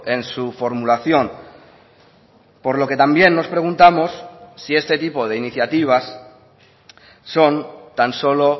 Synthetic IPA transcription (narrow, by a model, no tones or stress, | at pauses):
e̞nsufo̞ɾmulaθjõ̞n | po̞ɾlo̞ke̞t̪ambje̞nːo̞spɾe̞ɣ̞unt̪amo̞sːie̞st̪e̞t̪ipo̞ð̞e̞iniθjat̪iβ̞as | o̞nt̪anso̞lo̞